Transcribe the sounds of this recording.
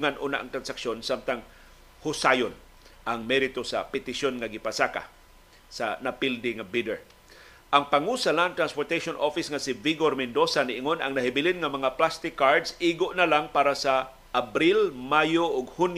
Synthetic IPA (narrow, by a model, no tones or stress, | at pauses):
ŋanʔuːna̰ʔaŋt̪ɾansakʃjonsamt̪aŋ | hʊsajon | ʔaŋmɛɾɪt̪osa̰pɪt̪ɪʃonŋaɡɪpasaka̰ | sanapɪld̪ɪŋabid̪ɛɹ | ʔaŋpaŋusanaɐŋt̪ɾanspoɹt̪ajʃonʔofɪsŋasiviɡoɾmɪnd̪osanɪʔɪŋona̰ŋnaɦɪbɪlɪnŋamɐŋaplast̪ɪkːaɹd̪sʔiːɡoʔnalaŋpaːɾasa | ʔːbɾilmajoʔʊɡhun